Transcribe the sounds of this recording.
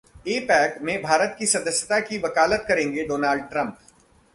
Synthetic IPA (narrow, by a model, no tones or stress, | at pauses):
eːpɛːkmẽbʱaːɾət̪kisɐd̪əsjət̪akiʋɐkaːlət̪kɐɾẽːŋɡeɖoːnaːlɖ̚ʈɾɐ̃mp